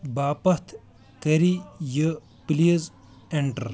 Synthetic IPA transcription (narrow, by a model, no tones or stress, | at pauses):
baːpɐt̪ʰ | kɐɾijə | piliz | eɳʈɐɾ